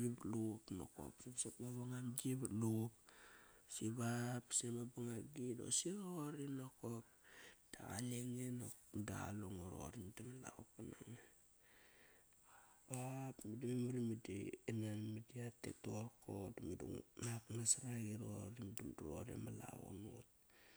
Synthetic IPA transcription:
iblukno̰ko̰psibsepmaβaŋamd͡ʒibluk | siβapsemabaŋaɡido̰siɾoɾinokop̚d̥aɣa̰leŋeno | da̰luŋoɾo̰ɾimdamala̰ukanaŋe | bapmidimimuɾimidienanmidiatḛtokodamidṵŋnaknasaɾaɡiɾoɾimdumduɾo̰ɾḛmala̰wo̰no̰t̚

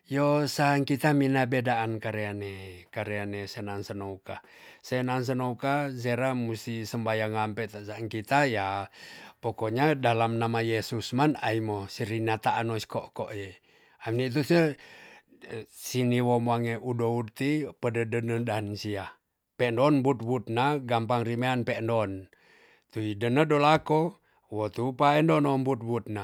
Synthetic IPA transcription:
josaŋkit̪aminabedaʔːnkaɾeanekaɾeanesenansənouka | senans̬ənoukazeɾamust̪isəmbajaŋampɛt̪aʔsaːŋkit̪aja | pokoɲadalamnamajesusmanaimosiɾinat̪aʔanosi̥koʔko̰ʔje | amnit̪̬usə | siniwomoaŋeʔudout̪ipədədənədaɦnsia | pɛʔndɔnbut̪̚but̪̚naɡampaŋrimeanpɛʔndɔn | t̪uidənədolako | wɔt̪upaendɔnɔmbut̪̚but̪̚na

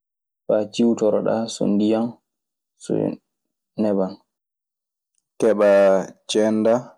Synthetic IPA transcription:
fat͡ʃiwtɔɾɔɗa̰sɔ̰ndijan | sɔ̰ | nɛban | kɛɓat͡ʃɛnda

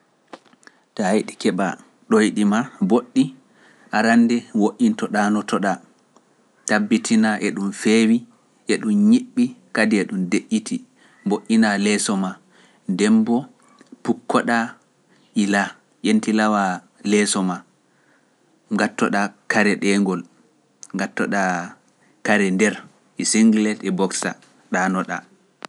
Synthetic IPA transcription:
tahajɗikɛɓa̰ | ɗojɗimaboɗːi | ʔaɾandɛwoʔintɔɗanɔtɔɗa | tabːitʰinaʔɛɗumfewi | ʔɛɗumɲiɓːikadiɛɗumdeʔːitʰi | mboʔːinalɛːsɔma | ndɛmbɔ | pukːɔɗa | ʔila | ʔentilawa | lɛsɔma | ŋɡatːɔɗakaɾɛɗɛŋɡɔl | ŋɡatːɔ̰ɗa | kaɾɛndɛɾ | ʔisiŋɡlɛtɛbɔksa̰ | ɗanɔɗa̰

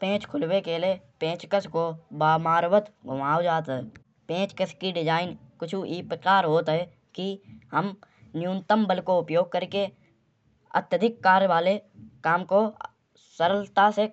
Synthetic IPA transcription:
pẽːt͡ʃkʰʊlwekeliepẽːt͡ʃkəskobaːmaːɾwət̪ɡʱʊmaːod͡ʒaːt̪ɦɛ | pẽːt͡ʃkəskiɖɪd͡ʒaːɪnkʊt͡ʃʰuʔiːpəkaːɾɦoːt̪ɦɛ | kiɦəm | njũːnt̪əmbəlkoʊpjoːɡ̚kəɾke | ə̰t̪jəd̪ʱɪkːaːɾjʋaːlekaːmko | səɾəlt̪ase

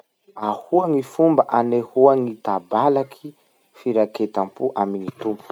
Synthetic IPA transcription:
ahuaŋifumbaʔanehuaŋit̪abalakʰi | fiɾaket̪ampuʔaminit̪umpu̥

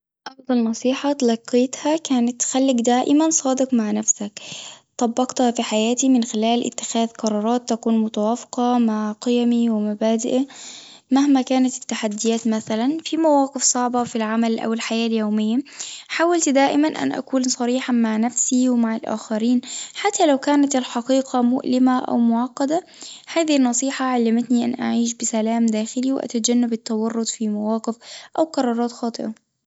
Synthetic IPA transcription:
ʔɑfd̪ˤɑlnɑsˤiːħat̪lɑqːeːt̪hakaːnat̪ːxalːɪɡd̪aːʔɪmansˤɑːd̪ɪqmaʕnafsakt̪ˤɑbːɑqt̪hafiħajaːt̪imɪnxɪlaːlʔɪ̰t̪ːɪ̥xaːðqɑɾˤɑːɾˤɑːt̪ːakuːnmʊt̪awaːfɪ̥qɑmaʕqɑjamiwɪmabaːd̪ɪʔa | mahmakaːnat̪ɪ̥t̪ːaħad̪ːɪjaːt̪maθalanfimawaːqɪfsˤɑʕbɑfilʕamalʔa̰wɪlħajaːljoːmɪjːaħaːwalt̪d̪aːʔɪmanʔa̰nʔa̰kuːnsˤɑɾiːħɑmaʕnafsiwɪmaʕɪlʔa̰ːxaɾiːnħat̪ːalawkaːnat̪ɪlħɑqiːqɑmʊʔlɪmaʔa̰wmʊʕɑqːɑd̪a | haːðihnːɑsˤiːħɑʕalːamat̪niʔa̰nʔa̰ʕiːʃ̬bɪsalaːmd̪aːxɪliwʔa̰t̪ad͡ʒanːabɪt̪ːɑwɑrˤːʊt̪ˤfimawɑːqɪfʔawqɑɾˤɑːɾˤɑːt̪xɑːt̪ˤɨʔɑ

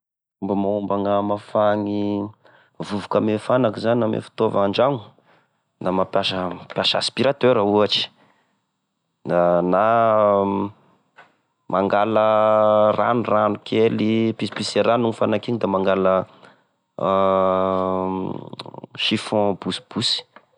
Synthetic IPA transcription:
umbəmaumbaŋamafaŋi | vuvukamefanakizaninamḛfi̥t̪ovaɳɖ͡ʐaŋu̥ | namapjaʃəpjaʃəa̰spiɾat̪øɾauaʈ͡ʂi̥ | nana | mʔaŋɡaləra̰nuranukʰelipisi̥piseɾanuŋifanakiɲd̪amaŋɡalə | ʃifɔ̃busi̥b̥usi̥

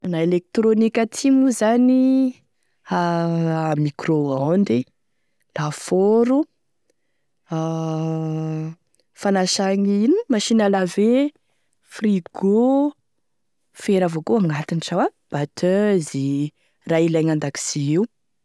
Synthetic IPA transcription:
naelek̚t̪ɾonikʲət̪ʰimuzani | a | mikroand̪i | lafoɾu | a | fanaʃaɲinimaʃinəlave | friɡo | feɾavokoaŋɡat̪inʈ͡ʂawa | b̥at̪ʰøzi | railajŋand̪aki̥z̥iiw

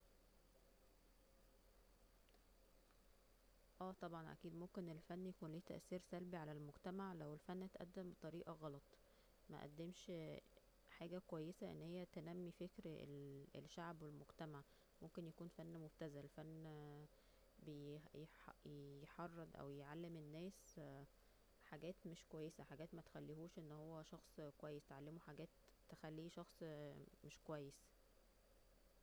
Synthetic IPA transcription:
ʔæːt̪ˤɑbʕɑnʔæ̰kiːd̪momkenelfænːjækuːnliːt̪æ̰ʔsiːɾsælbiʕalælmoɡt̪æmaʕlæwelfænːæt̪ʔæ̰d̪ːæmbet̪ˤɑɾiːʔɑɣɑlɑt̪ˤ | mæ̰ʔæ̰d̪ːemʃ | ħaːɡækowæjːesæʔḛnːhejːæt̪enæmːifekɾḛlḛlʃaʕbwelmoɡt̪æmaʕ | momkenjækuːnfænːmobt̪æzælfænː | bejjjħɑrˤːɑd̪ˤʔæ̰wjeʕalːemenːæːs | ħaɡæːt̪meʃkowæjːesæħaɡæːt̪mæt̪e̥xælːihuːʃʔenːhowːæʃɑxsˤkwæjːest̪ʕalːemuħaɡæːt̪ːexælːiːʃɑxsˤmeʃkowæjːes

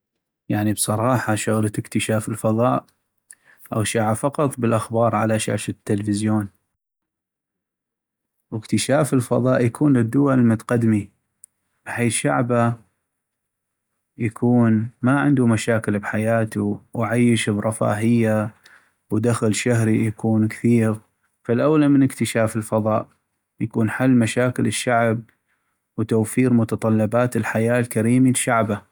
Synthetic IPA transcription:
jaʕnibsˤɑɾˤɑːħɑʃʊɣlaɪkt̪əʃaːfɪlfɑðˤɑːʔ | ʔawʃaʕafɑqɑt̪ˤbəlʔaxbɑːɾˤʕa̰laʃa̰ʕʃat̪ːɪlfɪzjoːn | wɪkt̪əʃaːfɪlfɑ̰ðˤɑːʔjakʰuːnlɪd̪ːʊwalmʊt̪aqad̪mi | b̥ħeːθʃa̰ʕba | jakʰuːnmaʕɪnd̪umaʃaːkɪlbħajaːt̪uwʕajːɪʃbɾˤɑfa̰ːɦɪjːa | wd̪axlʃaɦɾijakuːnkθiːɾ | falʔawlamɪnəkt̪ɪʃaːfɪlfɑðˤɑːʔ | jakuːnħalːmaʃaːkɪlɪʃːaʕb̚ | wt̪awfiːɾmʊt̪ɑt̪ˤɑlːɑbaːt̪ɪlħajaːlkaɾiːmilʃaʕba

